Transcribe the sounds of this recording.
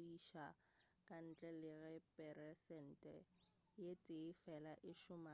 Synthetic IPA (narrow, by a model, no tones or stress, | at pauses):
iʃa | kʼan̩t͡ɬʼɛlɪɣɛpʼɛɾɛsɛn̩tʼɛ | jetʼɪɪfɛlaʔɪʃʊma